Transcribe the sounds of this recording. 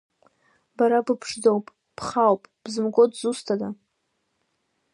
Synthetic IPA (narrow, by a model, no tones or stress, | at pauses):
baɾabɨpʰʂdowpʼ | pʰχawpʼb̥zɨmɡʷʼodzustʰada